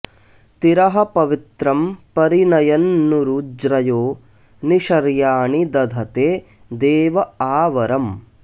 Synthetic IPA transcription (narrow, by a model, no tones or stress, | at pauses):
t̪iɾɐɦɐpɐʋit̪ɾɐmpɐɾinɐjɐnːuɾud͡ʒɾɐjoː | niʃɐɾjaːɳid̪ɐd̪ʱɐt̪eː | d̪eːʋɐaːʋɐɾɐm